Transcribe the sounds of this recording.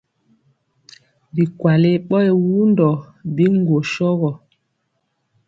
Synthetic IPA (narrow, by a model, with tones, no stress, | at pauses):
bi˨kwa˨le˦ɓɔ˦e˨wu˦ndɔ˨bi˦ŋ˦ɡo˨ʃɔ˦ɣɔ˨